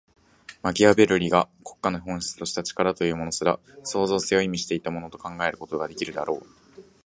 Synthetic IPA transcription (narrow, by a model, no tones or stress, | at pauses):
maɡʲiabe̞ɾɯ̟ɾʲiɡakʰo̞̥kːanoɦõ̞ɰ̃ɕi̥t͡sɨ̥t̪o̞ɕi̥t̪at͡ɕi̥kaɾat̪o̞jɯ̟ːmo̞no̞sɨɾa̰ | so̞ːzo̞ːsejoimʲiɕi̥t̪e̞it̪amo̞no̞t̪okãŋɡae̞ɾɯ̟ko̞t̪o̞ɡad̪e̞kʲiɾɯ̟d̪a̰ɾo̞ː